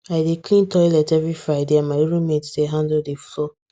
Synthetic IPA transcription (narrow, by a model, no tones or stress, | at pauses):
aɪdekʰlĩntɔjlɛtɛvɹifɹaɪdeãnmaɪɾũmedseɦãndodeflɔ